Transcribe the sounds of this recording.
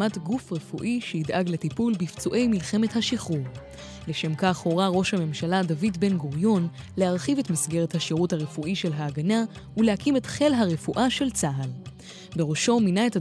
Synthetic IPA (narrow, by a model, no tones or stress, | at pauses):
matɡufʁefuʔiʃeidʔaɡletipulbift͡suʔe̞jmilχe̞me̞thaʃiχuʁ | leʃe̞mkaχho̞ʁaʁo̞ʃhame̞mʃaladavidbe̞nɡoʁjo̞nlehaʁχive̞tmisɡe̞ʁethaʃiʁuthaʁefuʔiʃe̞lɦaːɡana | ulehakime̞tχe̞lɦaʁefuʔaʃe̞lt͡saɦal | be̞ʁo̞ʃo̞minae̞ta